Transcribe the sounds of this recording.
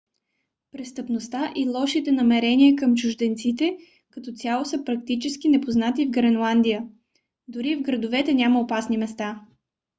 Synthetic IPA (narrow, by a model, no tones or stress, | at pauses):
pɾɛst̪əpnost̪aʔilˠɔʃit̪ɛnɐmɛɾɛniəkəmt͡ʃʊʒd̪ɛnt̪sit̪ɛ | kɐt̪ɔt̪sʲalˠosəpɾɐk̚t̪it͡ʃɛsk̟inɛpoznat̪ivɡɾɛnlˠand̪ijə | d̪ʊɾivɡɾəd̪ovɛt̪ɛnʲaməopasnimɛst̪a